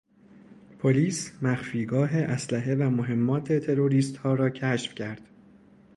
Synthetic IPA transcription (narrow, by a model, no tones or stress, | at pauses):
pʰo̞liːsmæxfiːɡɒːɦeʔæslæɦe̞væmoɦe̞mːɒːt̪ʰe̞t̪ʰe̞ɾo̞ɾiːst̪hɒːɾɒːcʰæʃfcʰæɾd̪̥